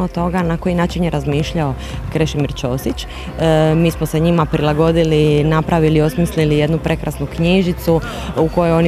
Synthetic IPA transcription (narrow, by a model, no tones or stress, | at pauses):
ot̪o̞ɡanako̞jinaːt͡ʃinjeɾazmiːʃʎao̞ | kɾe̞ʃimiɾt͡ʃo̞ːsit͡ʃ | miːsmoseɲimapɾilˠaɡo̞d̪ilinapɾʔaʋilio̞smislilije̞d̪nupɾʔe̞kɾasnukɲiʒit̪su | uko̞joo̞n